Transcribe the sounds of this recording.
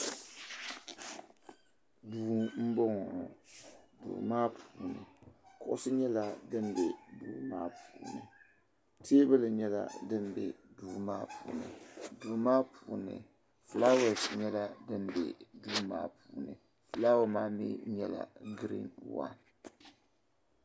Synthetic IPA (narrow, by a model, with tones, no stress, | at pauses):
duː˨m̩˦bɔ˦ŋɔ˨dṵː˨maː˦pʰuː˨nɨ̰˨kʊ˨ʔʊ˦sɨ˦ɲɛ˦la˦dɨ˦nbɛ˨duː˨maː˦puː˨nɨ˨ | tʰe˦bɨ˦lɨ˨ɲɛ˦la̰˦dɨ˦n˦bɛ˨duː˨ma̰ː˦puː˨nɨ̰˨duː˨maː˦pʰuː˨nɨ̰˨ | fla˦wɛ˨sɲɛ˦la˦dɨ˦nbɛ̰˨duː˦ma̰ː˦pʰuː˨nɨ˨ | fla˦wo˦maː˦mḭ˦ɲɛ˦la̰˨ɡɾḭ˦nwa̰˦n